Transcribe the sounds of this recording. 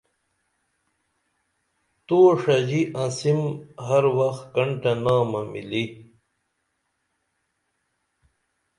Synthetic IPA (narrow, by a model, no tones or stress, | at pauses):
t̪oːʂɐd͡ʑiʔãsimɦɐɾwɐxt̪kɐɳʈɐnaːmɐmḭli